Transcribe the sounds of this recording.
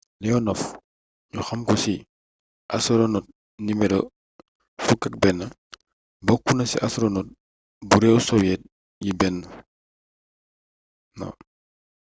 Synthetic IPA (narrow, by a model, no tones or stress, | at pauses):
lɛɔnɔf | ɲuxɐmkɔsi | ʔasɾɔnɔt̚ | nimɛdɔ | fukak̚bɛnːɐ | bɔkːunɐsḭʔasɾɔnɔt̚ | buɾɛusɔwjɛt̚ | jibɛnː | nɔ̰